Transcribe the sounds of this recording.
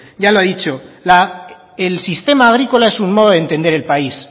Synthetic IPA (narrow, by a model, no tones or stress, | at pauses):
ʝaloaðit͡ʃola | elsist̪e̞maːɣ̞ɾikolae̞sunmoð̞oð̞e̞nt̪e̞nd̪e̞ɾe̞lpais